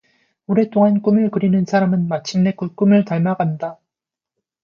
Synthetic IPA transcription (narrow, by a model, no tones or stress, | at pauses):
uɾe̞t͈oŋank͈umɯɭkɯɾinɯnsʰaɾamɯnmat͡ɕʰimne̞kɯk͈umɯɭtaɭmaɡanda